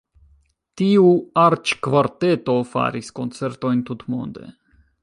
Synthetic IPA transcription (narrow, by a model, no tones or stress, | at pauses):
t̪iuaɾt͡ʃkvaɾt̪e̞t̪o̞fa̰ɾisko̞nt͡se̞ɾt̪o̞jnt̪ut̪mo̰nd̪e̞̰